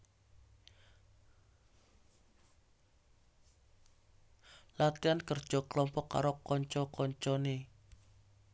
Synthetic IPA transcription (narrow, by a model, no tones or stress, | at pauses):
lat̪iankərd̥ʒ̥ɔ̤kəlɔmpɔkːa̰ɾokɔɲt͡ʃɔkɔɲt͡ʃɔne